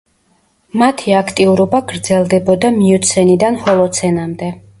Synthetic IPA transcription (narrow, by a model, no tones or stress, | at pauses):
mat̪ʰiakʰt̪ʼiuɾɔbaɡɾd̪zɛlˠd̪ɛbɔd̪amiut̪sʰɛnid̪anhɔlˠɔt̪sʰɛnamd̪ɛ